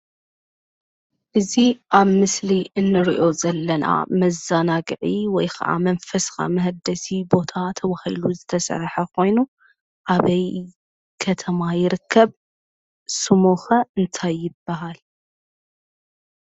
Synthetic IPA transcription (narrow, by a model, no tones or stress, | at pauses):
ʔɨziʔaβmɨsliʔɨnːɨɾḭʔo̞zɐlːɐnʔa̰mɐzanaɡɨʕiwɔjkʰɐ̰ʔa̰mɐnfɐsɨ̥xa̰mɐɦd̪ɐsibo̞t̪ʰat̪ʰɐβahiluzɨt̪ʰɐsɐ̰ɾħɐkʰo̞jnu | ʔaβɐj | kʰɐt̪ʰɐmajɪɾɨkʰːɐβ | sɨmoxɐɨnt̪ʰajːɪbːaɦal